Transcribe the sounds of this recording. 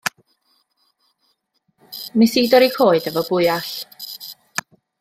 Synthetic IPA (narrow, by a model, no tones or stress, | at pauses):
misiːdɔɾikʰoːɨdəvɔbʊɨaɬ